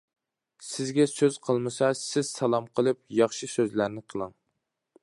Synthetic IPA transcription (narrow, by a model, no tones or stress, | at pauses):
sɪzɡʲɛsøz̥qʰəlˠmɨsɑsɪz̥sɑlˠɑmqʰəlˠɨp̚jɑχʃisøzlæɾnɪqʰəlˠɨŋ